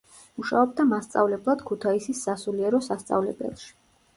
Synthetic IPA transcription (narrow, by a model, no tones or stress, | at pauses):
muʃa̰ɔbd̪amast̪sʼa̰vlɛblˠad̪̥kʰut̪ʰaisisːasuliɛɾɔsast̪sʼa̰vlɛ̰bɛ̰lˠʃi̥